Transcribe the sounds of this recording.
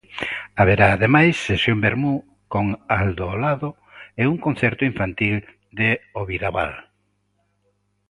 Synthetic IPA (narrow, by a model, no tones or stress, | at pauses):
aβeɾaːðemajsːesjombeɾmu | koŋald̪olaðo | ɛuŋkon̟θɛɾt̪ʊiɱfant̪il | d̪eoβiɾaβa̰l